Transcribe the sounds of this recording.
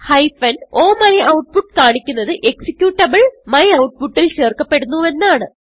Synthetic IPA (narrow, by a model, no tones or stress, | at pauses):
hɐjfɐno̞ːmɐliʔɐwʈ̚puʈːkaːɳikʲːunːɐðɨʔe̞ksikʲːjuːʈːɐbɐɭmɐjɐwʈ̚puʈːilt͡ɕe̞ːrkɐpːe̞ɽunːue̞nːaːɳɨ